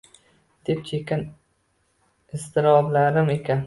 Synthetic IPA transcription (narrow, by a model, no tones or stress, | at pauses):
d̪̥e̞p̚t͡ʃʰekʲan | ɪst̪ɪɾɒblaɾɪme̞kʲʰan